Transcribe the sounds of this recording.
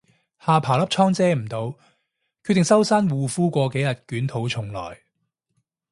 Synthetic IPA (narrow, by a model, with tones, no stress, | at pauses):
haː˨˧pʰaː˨˩wlɐ˥p̚t͡ʃʰɔː˥ŋt͡sɛː˥˩m̩˨˩t̪o˨˧w | kʰyː˧˥t̪ɪ˨ŋsɐ˥wsaː˥nwuː˨fuː˥kʷɔː˧ke˨˥jɐ˨t̚kyː˨˥nt̪ʰo˨˥wt͡sʰʊ˨˩ŋlɔ̰ː˨˩j